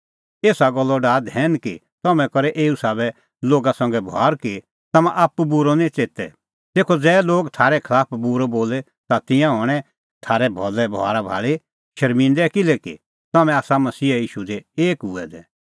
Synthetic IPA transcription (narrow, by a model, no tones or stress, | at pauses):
eːsaɡɔlːɔɖaːd̪ɦɛːnki | t̪ɔmɛ̃kɔɾɛʔeːusaːβɛ | loːɡasɐ̃ŋɡɛbʱa̰ːɾki | t̪ɐmãʔapːubuɾonĩt͡seːt̪ɛ̰ | t̪eːkʰod͡zɛːloːɡt̪ʰaːɾɛkʰɐlaːpʰbuɾoboːlɛ | t̪at̪ɪ̃jãɦɔːɽ̃ɛ | t̪ʰaːɾɛbʱɔlːɛbɔ̰a̰ːɾabʱa̰ːɭi | ʃɐɾmɪ̃nd̪ɛkɪlɛkḭ | t̪ɐmɛ̃aːsamɐsiːajiːʃud̪eeːkuɛ̰d̪ɛ̰ː